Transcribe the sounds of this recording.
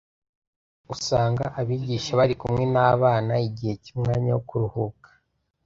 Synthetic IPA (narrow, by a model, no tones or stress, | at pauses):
usaːŋɡaʔaβiːɟiːʃaβaɾikumŋe̞naːβaːnaiɟihe̞cumŋaːɲawokuɾuhukḁ